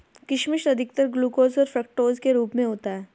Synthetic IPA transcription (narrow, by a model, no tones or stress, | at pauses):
kɪʃmɪʃɐd̪ʱɪk̚t̪əɾɡluːkoːzɔːɾfɾək̚ʈoːzkeɾuːpmẽɦoːt̪aɦɛː